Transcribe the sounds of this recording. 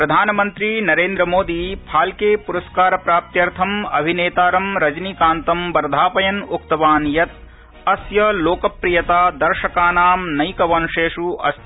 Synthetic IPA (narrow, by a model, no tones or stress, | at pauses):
pɾɐd̪ʱaːnɐmɐnt̪ɾinɐɾeːnd̪ɾɐmoːd̪iːpʰaːlkeːpuɾɐskaːɾɐpɾaːp̚t̪jɐɾt̪ʰɐmɐ̰bʱineːt̪aːɾɐmɾɐd͡ʒnikaːnt̪ɐmbɐɾd̪ʱaːpɐjɐnok̚t̪ɐʋaːnjɐt̪̚ | ɐsjɐloːkɐpɾijɐt̪aːd̪ɐɾʃɐkaːnaːmnɐjkɐʋɐnuʂeːʂuʔɐ̰st̪